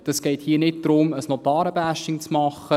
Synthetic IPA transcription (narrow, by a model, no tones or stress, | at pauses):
d̥ɑsɡ̥ɛɪthiːnɪt̚d̥̪ɾʊməsnot̪ɑːɾəbæʃtɪŋt͡smɑχːə